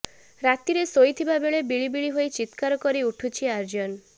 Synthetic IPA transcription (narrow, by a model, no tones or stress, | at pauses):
ɾat̪iɾesojt̪ʰibabeɭebiɭibiɭiɦojt͡ʃit̪kaɾɔkɔɾiuʈʰut͡ʃʰiaɾd͡ʒɔn